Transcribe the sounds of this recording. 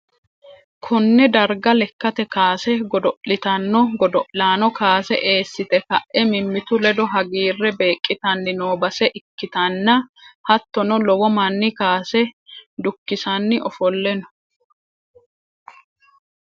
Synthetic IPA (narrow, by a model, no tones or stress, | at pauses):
kʰɔnːɛd̪ɐɾɡɐlɛkːɐt̪ɛkaːsɛɡɔd̪ɔʔlɪt̪ɐnːɔɡɔd̪ɔʔlaːnɔkaːsɛ̰ʔe̞ːsːɪt̪ɛkɐʔʔɛmɪmːɪt̪ʊlɛd̪ɔɦɐɡiːrːɛbe̞ːkʼːɪt̪ɐnːɪnoːbɐsɛʔɪkːɪt̪ɐnːɐhɐt̪ːɔnɔlɔwɔmɐnːɪkaːsɛd̪ʊkːɪsɐnːɪʔɔfɔlːɛnɔ̥